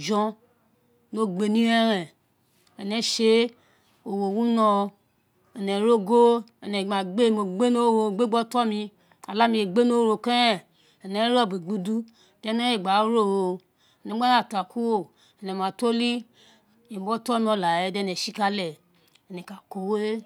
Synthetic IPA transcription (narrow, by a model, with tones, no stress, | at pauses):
d͡ʒɔ̃˦ | no˦ɡ͡be˧nĩ˦ɛ˦ɾɛ˨ | ɛ˨nɛ˨˦ʃe˦ | o˨wo˨wu˦nɔ˧ | ɛ˨nɛ˨ɾo˦ɡo˦ɛ˨nɛ˨a˨ɡ͡be˦˨mo˨ɡ͡be˦no˦wo˨ɡ͡be˦ɡ͡bɔ˦tɔ˦mi˧ | a˨la˦mĩ˧e˨ɡ͡be˦no˦ɾo˨kɛ˦ɛ˦˨ | ɛ˨nɛ˨˦ɾɔ˦˨bi˨ɡ͡bu˧du˦˨ | dɛ˦ne˦e˨ɡ͡ba˨˦ɾo˦˨wo˨ | ɛ˨nɛ˨˦a˦a˦˨ta˨ku˦wo˦˨ | ɛ˨nɛ˨m˨a˨to˦li˦ | e˨bɔ˦tɔ˦mi˧˦ɔ˧la˨je˨˦˨dɛ˧˨nɛ˨ʃi˦ka˦lɛ˨ | ɛ˨nɛ˨ka˨ko˨we˦